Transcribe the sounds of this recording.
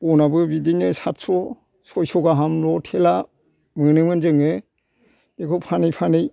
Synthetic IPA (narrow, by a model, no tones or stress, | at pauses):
pɔnabɯbidinɯsat̚sɔ | sɔjsɔɡaɦamlɔtʰela | mɯnɯmɯnzɯŋe | bekʰopʰanɯjpʰanɯj